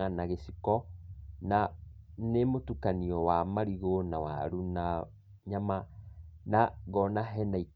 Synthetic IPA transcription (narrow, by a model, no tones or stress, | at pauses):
anaɣesikɔnanemotukaniɔwamaɾiɣonawa̰ɾuna | ɲamanaɣɔnaɦɛnai